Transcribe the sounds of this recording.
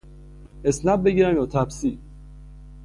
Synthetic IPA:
esnæb̚ːeɟiːɾæmjɒːt̪ʰæpsi

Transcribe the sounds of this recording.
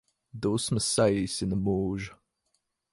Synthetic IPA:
d̪oːsməsajsɪnəmoːʒ

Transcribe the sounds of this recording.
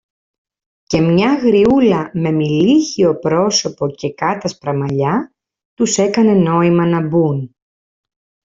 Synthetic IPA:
ce̞mɲɐɣɾiulɐme̞miliçio̞pɾo̞so̞po̞ce̞kɐt̪ɐspɾɐmɐʎɐ | t̪use̞kɐne̞no̞imɐnɐbun

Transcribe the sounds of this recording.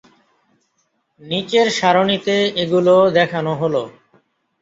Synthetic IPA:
nit͡ɕeɾʃaɾonit̪eeɡulod̪ɛkʰanoɦolo

